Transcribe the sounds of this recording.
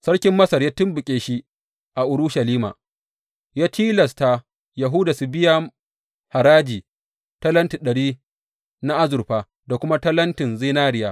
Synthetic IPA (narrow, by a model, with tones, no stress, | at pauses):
sɐ˦ɽkʲɪ˦mːɐ˦sɐ˨rjaː˦tɪ˦mbʊ˨kʲʼeː˨ʃi˦ | ʔa˨ʔʊ˨ɾʊ˦ʃɐ˨liː˦ma̰˨ | jaː˦tʰiː˦lɐ˨sta˨ | ja˨ɦʊ˦da˨su˨bɪ˦ja˦ | ha˨ɾaː˦d͡ʒiː˨ | tɐ˦lɐ˦nti˨ɗɐ˨ɽiː˦ | na˦ʔa˦zʊ˨ɾɸaː˨ | da˨kʷʊ˦ma˦tɐ˦lɐ˦ntɪ˨nzɪ˦naː˦ɽɪ˦jaː˦